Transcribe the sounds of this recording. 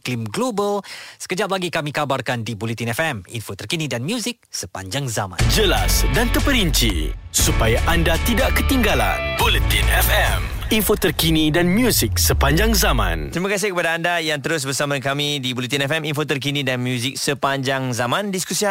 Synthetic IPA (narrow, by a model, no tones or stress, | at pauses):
klimɡlobəlsə̥kəd͡ʒap̚laɡikamikabarkandibolit̪inɛfɛmḭnfot̪ərkinidanmjuzɪk̚səpa̰ɲd͡ʒaŋzamã̰nd͡ʒəlasdant̪əpəɾiɲt͡ʃḭsupajaʔandat̪idaʔkət̪iŋɡala̰nbolət̪inɛfɛm | infot̪ərkinidanmjuzik̚səpaɲd͡ʒaŋzamã̰nt̪ɾimakas̬ɪhkəpadaːndajaŋt̪əɾʊs̬bərsamakamidibolit̪inɛfɛminfot̪̬ərk̬inidanmjuzɪk̚səpaɲd͡ʒaŋzamãndiskusia